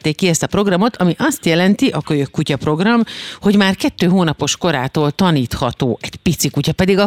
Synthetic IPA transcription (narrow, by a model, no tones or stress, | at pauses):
t̪ːeːkːiɛst̪ɒpɾo̞ɡrɒmo̞t̪ɒmiʔɒst̪jɛlɛnt̪iʔɒkøjøkːucɒpro̞ɡrɒmho̞ɟmaːrkɛt̪ːøːɦoːnɒpo̞ʃko̞ɾa̰ːt̪oːlt̪ɒniːt̪hɒt̪oːʔɛɟ̥pit̪sikucɒpɛd̪iɡɒ